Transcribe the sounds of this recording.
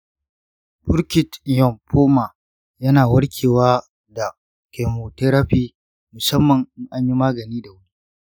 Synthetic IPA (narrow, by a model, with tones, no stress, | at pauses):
bʊ˦ɽkʲɪ˨tjɔ˨mpoː˦ma˨ | jɐ˦naː˨wɐ˦ɽkʲʰeː˨waː˦ | da˨ | ke˨mo˨te˦ɾa˦ɸiː˦ | mʊ˨sɐ˦mːɐ˨ŋɪ˦ŋʔa˦ɲji˦maː˦ɡɐ˨niː˦da˨wʊ˦ɽi˦